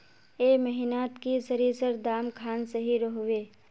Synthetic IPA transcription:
eːməɦɪnaːt̪kisəɾiːsəɾd̪aːmkʰaːnsəɦiɾəɦʊʋeː

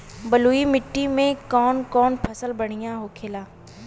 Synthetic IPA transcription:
bɐluːimɪʈːimẽkɔːnkɔːnpʰɐsəlbɐɽ̤̃ijaɦokʰeːlaː

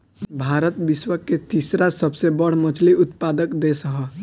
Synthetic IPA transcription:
bʱaːɾət̪ʋɪswəket̪iːsɾasəbsebəɽ̤mət͡ʃʰliʊt̪paːd̪əkd̪esəɦə

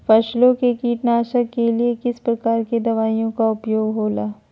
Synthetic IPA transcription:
fɐʃlõkekiːʈnaːʃəkːeliekɪspɾɐkaːɾked̪ɐʋaːijõkaʊpjoːɡɦoːlaː

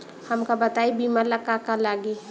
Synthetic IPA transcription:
həmkabət̪aibimaləkakalaɡi

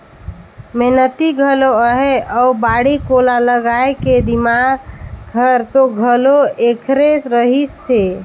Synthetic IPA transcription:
menət̪iɡʱəloəɦeəubaɽikolaləɡaeked̪imaɡɡʱəɾt̪oɡʱəloekʰɾesɾəɦisːe

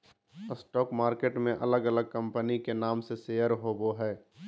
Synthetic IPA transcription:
sʈɔːkmaːɾkeːʈmẽʔɐləɡələɡ̚kə̃mpənikenaːmseseːəɾɦoːboɦɛː

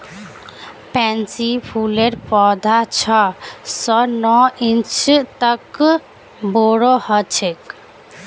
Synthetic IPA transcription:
pɛnsipʰuleɾpɔd̪ʱat͡ʃʰɔsɔnɔint͡ʃt̪ək | boɾɔhɔt͡ʃʰek

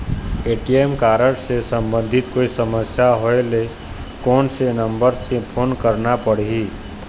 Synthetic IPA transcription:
eːʈiemkaːɾəʈsesə̃mbə̃nd̪ʱɪt̪koːisəməsjaɦoele | kɔːnsenə̃mbəɾsẽpʰoːnkəɾnapəɽ̤i

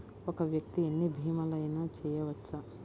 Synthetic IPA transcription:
ɔkɐʋjɐk̚t̪ienːibʱiːmɐlɐjnɐt͡ʃɛːjɐʋɐt͡ʃːɐ

